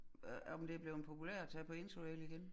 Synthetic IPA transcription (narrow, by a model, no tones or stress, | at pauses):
ɒmd̥eb̥le̝ʊnpʰo̝pʰulɛɐ̰t͡sʰɛpʰɒ̽e̝nsoeliɡ̥en